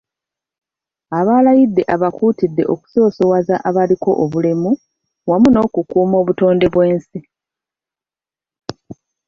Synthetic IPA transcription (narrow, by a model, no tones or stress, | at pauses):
aβaːlajidːe̞ʔaβakuːtidːe̞̰ʔo̞ku̥so̞ːso̞wazaʔaβaliko̞ʔoβule̞mu | wamuno̞ːkukuːmo̞ːβuto̞ːnde̞βwe̞ːnsi